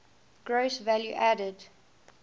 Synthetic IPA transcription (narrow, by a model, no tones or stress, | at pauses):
ɡ̥ɹosvæljṵʔædəd